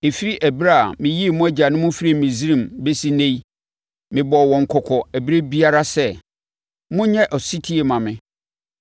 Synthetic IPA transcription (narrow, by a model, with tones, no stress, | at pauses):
e˨fi˦ɾi˦ʔæ˨bi˦ɾa˦a˨mɪ̃˨ji˦˨mʊ̃˦æ˦d͡ʑa˨nʊ̃˦mʊ̃˦fi˦ɾi˨mɪ̃˨zi˦ɾĩ˨mbe˦si˦nẽ˦j | mɪ̃˨bɔ˨wɔ̃˨ŋ̩˨kʰɔ˨kʰɔ˨æ˨bɾe˦bi˦a˦ɾa˦sɛ˦ | mʊ̃˦ɲɛ̃˦ʔɔ˨si˦tʰi˦e˨mã˨mɪ̃˦